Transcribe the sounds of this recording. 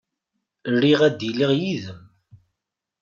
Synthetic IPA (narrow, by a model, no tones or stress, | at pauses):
rːiʁæd̪iliʁjiðəm